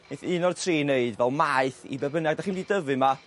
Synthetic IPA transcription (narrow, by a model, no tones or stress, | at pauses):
neθɨːnɔrtʰriːneɨdvɛlˠmaɨθḭbɛbənjaɡdaχiːndiːdəvɨma